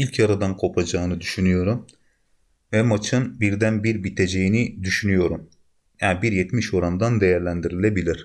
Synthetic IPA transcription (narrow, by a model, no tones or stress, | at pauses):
ilʲcʰaɾad̪ankʰo̞pʰad͡ʒaːnɯd̪yʃynyjo̞ɾum | vɛmat͡ʃʰɯnbiɾd̪ænbiɾbit̪ʰe̞d͡ʒejinid̪yʃynyjo̞ɾum | abiɾjɛt̪miʃo̞ɾand̪and̪e̞jæɾlʲænd̪iɾilʲe̞bilʲiɾ̝̥